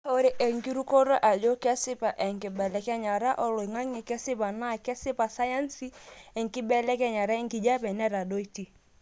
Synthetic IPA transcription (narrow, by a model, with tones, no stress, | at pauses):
o˦ɾi˦ʔɛ˨ŋki˦ɾu˦kɔ˦ɾo˦ʔa˨d͡ʒo˦kɛ˦sɪ˦pa˨ʔɛ˨ŋkɪ˨bɛ˨lɛ˦kɛ˦ɲa˨ɾa˦ʔɔ˦lo˨i˨ŋa˦ŋi˨kɛ˦sɪ˦pa˨na˦˨kɛ˦sɪ˦pa˨sa˦ja˦nsi˦ɛ˨ŋkɪ˦bɛ˦lɛ˦kɛ˦ɲa˨ɾa˦ɛ˦ŋki˨d͡ʒa˦pɛ˨nɛ˦ɾa˨do˦i˦ti˨